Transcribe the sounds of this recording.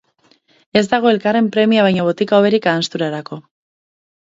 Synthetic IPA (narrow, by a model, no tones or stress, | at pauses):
e̞zd̪aɣ̞o̞e̞lkare̞mpɾe̞miaβ̞ajɲoβ̞o̞t̪ikaoβe̞ɾikaːnst̪uɾaɾako̞